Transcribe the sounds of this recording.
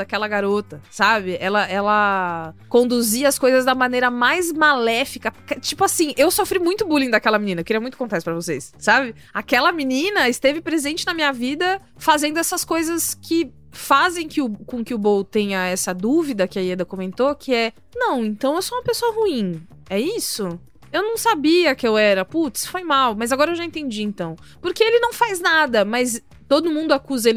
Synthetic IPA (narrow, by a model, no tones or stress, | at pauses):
d̪akɛlɐɡaɾot̪ɐsabɪʔɛlɐʔɛlɐkõnd̪uziɐɐskojzɐzd̪ɐmɐ̃nejɾɐmajzmalɛfikɐkt͡ʃipʊasĩʔewsofɾimũj̃t̪ʊbulĩd̪ɐkɛlɐminĩnɐewkɪɾiɐmũj̃t̪ʊkõnt̪asɪpɾɐvosḛssabɪ | akɛlɐminĩnɐɪst̪evɪpɾezẽnt͡ʃɪnɐmĩɲɐvid̪ɐ | fazẽnd̪ʊɛsɐskojzɐskʰɪ | fazẽj̃kɪʊkõkɪʊbowt̪ẽjɐɛsɐd̪uvid̪ɐkɪɐied̪ɐkomẽnt̪okɪɛ | nɐ̃w̃ẽnt̪ɐ̃w̃ewsoũmɐpesoɐhuĩ | ɛisʊ | ewnɐ̃w̃sabiɐkɪewɛɾɐput̪sfojmawmɐzaɡɔɾɐewʒaẽnt̪ẽnd͡ʒiẽnt̪ɐ̃w̃ | poɾkeelɪnɐ̃w̃fajznad̪ɐmɐz | t̪od̪ʊmũnd̪ʊakuzɐel